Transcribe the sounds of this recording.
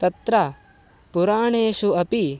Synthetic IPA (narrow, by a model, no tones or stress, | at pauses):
t̪ɐt̪ɾɐ | puɾaːɳeːʃuɐpi